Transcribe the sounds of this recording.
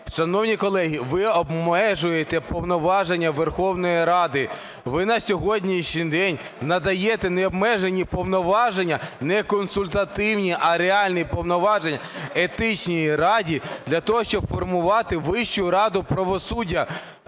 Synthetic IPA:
ʃɐnɔwnʲikɔlˠɛɦiʋɪɔbmɛʒʊjet̪ɛpɔwnɔʋɑʒenʲːɐʋerxɔwnɔjiɾɑd̪ɪ | ʋɪnɐsʲɔɦɔdʲnʲiʃnʲid̪ɛnʲ | nɐd̪ɐjet̪ɛnɛɔbmɛʒenʲipɔwnɔʋɑʒenʲːɐnɛkɔnsʊlʲt̪ɐt̪ɪwnʲiʔɐɾeɑlʲnipɔwnɔʋɑʒenʲːɐet̪ɪt͡ʃʲnʲijirɑdʲid̪̥lʲɐt̪ɔɦɔʃt͡ʃɔbfɔrmʊʋɑt̪ɪʋɪʃt͡ʃʊɾɑd̪ʊpɾɐʋɔsudʲːɐ

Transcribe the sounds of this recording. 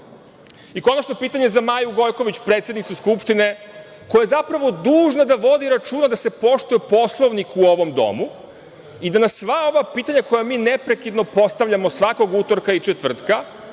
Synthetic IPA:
iko̞nat͡ʃno̞piːt̪aɲe̞zamaːjuɡo̞jko̞ʋit͡ɕpɾet̪sjed̪nit̪suskupʂt̪ine̞ | kojaezapɾaʋo̞d̪uːʒnad̪aʋo̞d̪iɾat͡ʃuːnad̪ase̞po̞ʃt̪ujepo̞slˠo̞ʋnikuoʋo̞md̪o̞̰mu | id̪anasʋao̞ʋapiːt̪aɲako̞jamiːnepɾe̞kid̪no̞po̞st̪aʋʎʲamo̞sʋako̞ɡut̪o̞ɾkait͡ʃet̪vr̩t̪ka

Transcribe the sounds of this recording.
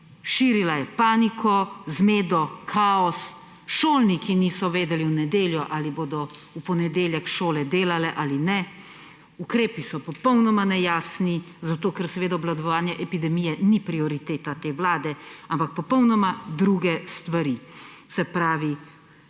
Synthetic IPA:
ʃiːɾilajɛpaːnikʰɔzmeːd̪ɔkʰaːɔs | ʃoːlnikinisɔʋeːd̪ɛliwnɛd̪eːljɔʔaliboːd̪ɔ | upɔnɛd̪eːljɛkʃoːlɛd̪eːlalɛʔaːlinɛ | ukɾeːpisɔpɔpɔwnɔmanɛjaːsni | zat̪oːkɛɾsɛʋeːd̪aɔblad̪ɔʋaːnjɛʔɛpid̪ɛmijɛnipɾiɔɾit̪eːt̪at̪eːwlaːd̪ɛampak̚pɔpɔwnɔmad̪ɾuɡɛst̪ʋaɾi | sɛpɾaːʋi

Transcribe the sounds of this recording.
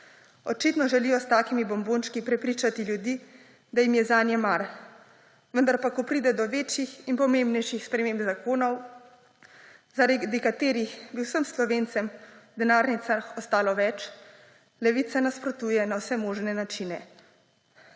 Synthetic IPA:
ɔt͡ʃit̪nɔʒɛliːjɔst̪aːkimibɔmbonʃkipɾɛpɾiːt͡ʃat̪iljud̪iː | d̪ajimjɛzanjɛmaɾ | ʋənd̪aɾpakɔpɾid̪ɛd̪ɔʋeːt͡ʃjixinpɔmẽmbnɛjʃixspɾɛmeːmbzakoːnɔw | zaɾaɡd̪ikat̪eːɾixbiwsəmslɔʋeːnt̪sɛmd̪ɛnaːɾnit̪saxɔst̪aːlɔʋɛt͡ʃ | lɛʋit̪sanaspɾɔt̪uːjɛnawsɛmoːʒnɛnat͡ʃinɛ

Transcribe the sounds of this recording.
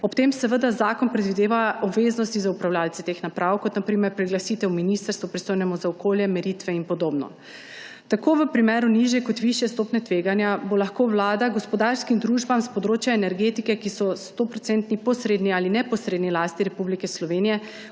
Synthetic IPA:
ɔpt̪emsɛʋəd̪azaːkɔnpɾɛd̪ʋid̪eːʋaɔbʋeːznɔst̪izaupɾawlʲaːlt̪ɛt̪exnapɾawkɔt̪napɾiːmɛɾpɾɛɡlasit̪ɛwminist̪əɾst̪ʋupɾist̪oːjnɛmɔzaɔkoːljɛmɛɾiːt̪ʋɛinpɔd̪oːbnɔ̰ | t̪akoːʋəpɾimɛːɾuniʒjɛkɔt̪ʋiʃjɛst̪opnɛt̪ʋeːɡanjabolaxkoʋlaːd̪aɡɔspɔd̪aɾskimd̪ɾuʒbamspɔd̪ɾoːt͡ʃjaɛnɛɾɡet̪ikɛkisɔst̪opɾɔt̪sɛnt̪nipɔsɾeːd̪niaːlinɛpɔsɾeːd̪nilast̪iɾɛpublikɛslɔʋenijɛ

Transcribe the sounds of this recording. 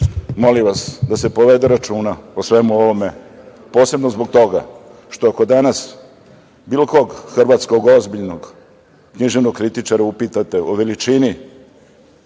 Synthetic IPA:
mo̞limʋasd̪ase̞po̞ʋed̪eɾat͡ʃuːnaosʋemuoʋome | po̞ːse̞bnozbo̞ɡ̚t̪o̞ɡa̰ʃt̪oako̞d̪anas | biːlkoɡxr̩ʋat̪sko̞ɡo̞zbiʎno̞ɡ | kɲiʒeʋnoɡkɾit̪it͡ʂaɾaupit̪at̪e̞ʔoʋe̞lit͡ʃini

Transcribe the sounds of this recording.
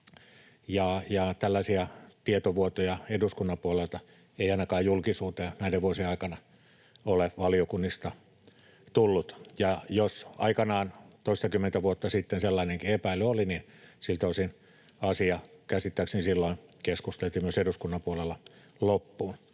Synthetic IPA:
jɑjɑt̪ælːæsiæt̪iet̪oʋuot̪ojɑeduskunːɑmpuolelt̪ɑ | eiɑinɑkɑːjjulkisuːt̪enæˑideʋuosieɑˑikɑnɑ | oleʋɑliokunːist̪ɑ | t̪ulːut̪jɑjosɑ̰ikɑnɑːnt̪oist̪ɑkymːent̪æʋuot̪ːɑsit̪ːenselːɑineŋkiepæiløolinin | silt̪oisin | ɑsiɑkæsit̪ːæˑksnisilːoinkeskust̪elt̪iːmyøseduskunːɑpuolelːɑ | lopːuːn

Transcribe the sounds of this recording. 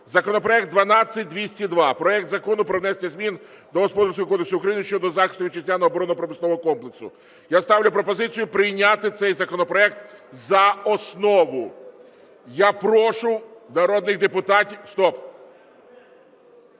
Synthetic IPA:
zɐkɔnɔpɾɔɛkt̪̚d̪ʋɐnɑt͡sʲːɐt̚ʲd̪ʲʋʲisʲtʲid̪ʋɑpɾɔɛk̚t̪zɐkɔnʊpɾɔwnɛsʲenʲɐzʲmʲin | d̪ɔɦɔspɔd̪ɐɾsʲkɔɔkɔd̪eksʊʊukɾɐjinʃt͡ʃɔd̪ɔzɑxɪst̪ʋʲit͡ʃɪzʲlʲanɔɦɔːbɔɾɔnɔɔpɾɔmɪsnɔʋɔɦɔkɔmplˠeksʊ̰ | jast̪ɑwlʲʊpɾɔpɔzɪt͡sʲijʊpɾɪjnʲat̪ɪt̪sɛjzɐkɔnɔpɾɔɛkt̪zɐɔsnɔʋʊ | japɾɔʃʊnɐɾɔd̪nɪxd̪epʊt̪ɑtʲiwst̪ɔp

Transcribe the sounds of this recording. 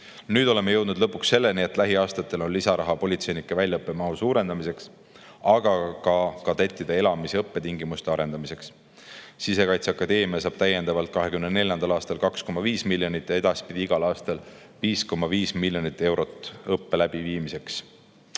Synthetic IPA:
nyːd̪o̞le̞mːejɤ̞wd̪nud̪̥lɤpːuksːe̞lːenie̞t̪ːˑlæɦiɑːst̪ɑt̪ːˑe̞lo̞nlisɑɾʔɑɦɑpo̞lʲit̪se̞jnikːˑevælʲjɑɤpːemɑɦusuːɾe̞nd̪̥ɑmise̞ks | ɑɡ̥ɑkɑkɑt̪e̞t̪ːˑid̪̥ee̞lɑmiseɤpːe̞t̪iŋɡimust̪e̞ɑɾe̞nd̪̥ɑmise̞ks | sise̞kɑjt̪seɑkːɑd̪e̞ːmiɑsɑːb̥t̪æjːe̞nd̪̥ɑvɑlt̪̚kɑɦe̞kymnene̞lʲjɑnd̪̥ɑlɑːst̪ɑlkɑksko̞mɑviːsmilʲːjo̞nit̪ːˑjɑe̞d̪̥ɑspid̪̥ʲiiɡ̥ɑlɑːst̪ɑl | viːsko̞mɑviːsmilʲjo̞nit̪ːˑe̞wɾo̞t̪ːˑɤpːe̞læb̥iviːmise̞ks

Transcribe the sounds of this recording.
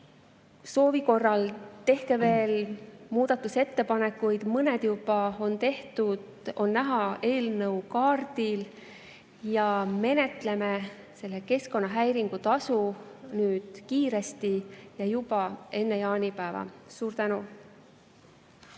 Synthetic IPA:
so̞ːviko̞rːɑlt̪e̞hke̞ve̞ːlmuːd̪̥ɑt̪ːˑuse̞t̪ːe̞pɑne̞kːˑujd̪̥mɤne̞d̪̥jub̥ɑo̞nt̪e̞ht̪ud̪̥ | o̞nːæɦɑe̞ːlnɤwkɑːrd̪̥il | jɑme̞ne̞t̪le̞me | se̞lːe̞ke̞sko̞nːɑɦæjɾiŋɡ̥ut̪ɑsunyːd̪̥kiːɾe̞st̪ijɑjub̥ɑe̞nːejɑːnʲipæevɑ̰suːɾt̪ænu

